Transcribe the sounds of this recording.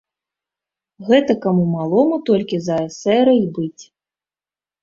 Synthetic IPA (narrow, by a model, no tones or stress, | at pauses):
ɣɛt̪ɐkamumalˠɔmut̪ɔlʲkʲizɐɛsɛɾɐjbɨt͡sʲ